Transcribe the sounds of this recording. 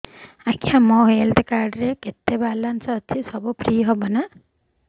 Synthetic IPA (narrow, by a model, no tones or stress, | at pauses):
akiãmɔɦelʈ̪kaɾɖɾeket̪ːebalansɔːt͡ʃʰisɔbupɾiːɦɔbɔna